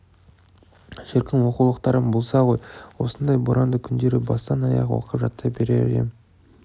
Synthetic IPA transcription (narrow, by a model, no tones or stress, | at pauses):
ʒɪɾkʲɪmwo̞qulˠəq̚t̪ɑɾəmbolˠsɑʁo̞jwo̞sənd̪ɑjbʊɾʔɑnd̪əkʲʰʏnd̪e̞ɾɪbɑst̪ɑnɑjɑ̰ʁwo̰qəpʒɑt̪ːɑbe̞ɾḛɾ̰ḛm